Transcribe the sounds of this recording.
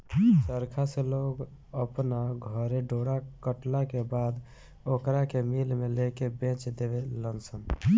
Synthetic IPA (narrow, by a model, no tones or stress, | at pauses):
səɾkʰasẽloɡ | əpnaɡʱəɾeɖoɽakəʈlakebad̪ | okɾakemilmelekebẽt͡ʃd̪ebelənsən